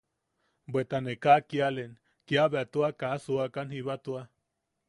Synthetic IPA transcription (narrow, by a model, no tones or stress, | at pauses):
bwet̪anekakialen | kiaβeat̪uakasuakanhiβat̪ua